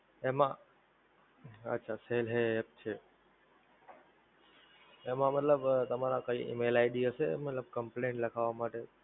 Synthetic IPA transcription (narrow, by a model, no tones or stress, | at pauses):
ẽːmã | ɐ̰tːʃʰaːseːlɦeep̚t͡ʃʰeː | ẽːmãmɐt̪ləbt̪ɐm̤ãɾãkəiːʔḭmeːlaːɪɗiəsemɐt̪ləb̚kɐ̃mplẽːɳʈlɐkʰaːʋamaːʈe